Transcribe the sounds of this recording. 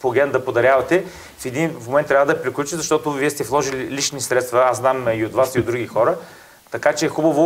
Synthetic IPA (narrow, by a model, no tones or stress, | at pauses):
poɡʲɛnd̪ɐpod̪ɐɾʲjavɐt̪ɛ | fɛd̪inmomɛnt̪ːɾʲjavəd̪ɐpɾiklʲut͡ʃizɐʃt̪ɔt̪ʊviɛst̪ɛflˠɔʒililit͡ʃnisɾɛt̪st̪vɐaznamiot̪vasiod̪ɾuɡʲixɔɾə | t̪ɐkat͡ʃɛːxubəvʊ